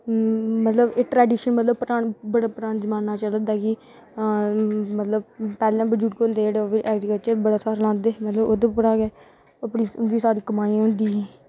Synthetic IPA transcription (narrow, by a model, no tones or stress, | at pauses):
mət̪ləbeːʈɾɛːɖiːʃənmət̪ləbpəɾaːnbəɽaːpəɾaːnd͡ʒəmaːnːaːt͡ʃəld̪aːɡi | mət̪ləbpɛːlãːbəd͡ʒuːʈ̚kond̪eːeːɽeʋiʔɛːɡɾikəlt͡ʃəɾbəɽaːsaːɾlãːnd̪eːmət̪ləbod̪opəɽaːɡɛː | əpɳĩːʊnɡ̪iːsaːɾiːkəmaːĩːɦõːnd̪iːɦɛ